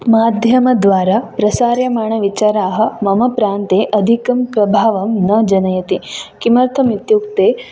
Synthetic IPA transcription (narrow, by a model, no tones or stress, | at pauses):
maːd̪ʱjɐmɐd̪ʋaːɾapɾɐsaːɾjɐmaːɳ̃ɐʋit͡ʃaːɾaːɦɐ̆mɐmɐpɾaːnt̪eːʔɐd̪ʱikɐmpɾɐbʱaːʋɐmnɐd͡ʒɐnɐjɐt̪ikimɐɾt̪ʰɐmit̪jukt̪eː